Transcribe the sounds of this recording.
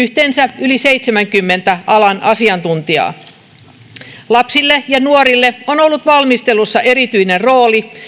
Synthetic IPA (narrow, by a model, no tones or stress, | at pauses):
yht̪eːnsæylisejt̪semæŋkymːent̪æʔɑlɑnɑsiɑnt̪unt̪iɑ̰ː | lɑpsilːejɑnuoɾilːeonolːut̪ʋɑlmist̪elusːɑʔeɾit̪yinenro̞ːli